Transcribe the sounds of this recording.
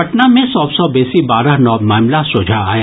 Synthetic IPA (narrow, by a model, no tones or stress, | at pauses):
ɐʈnamẽsɔːbsɔbɛːsibaːɾəɦnɔːmaːmlasʊːd͡ʒʱa̰ːja